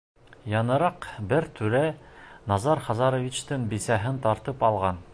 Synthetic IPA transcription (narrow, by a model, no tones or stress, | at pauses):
jɑnɤ̆ɾɑqbɘɾt̪ʰʉɾæ | nɑzɑɾχɑzɑɾŏvʲit͡ɕt̪ɤɴbisæɦɘnt̪ɑɾt̪ɤpɑlˠʁɑn